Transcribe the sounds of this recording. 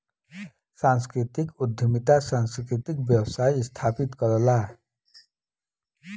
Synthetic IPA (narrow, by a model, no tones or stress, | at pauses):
sanskɾit̪ikud̪ʱjəmit̪asanskɾit̪ikbjʌwsajst̪ʰapit̪kʌɾəla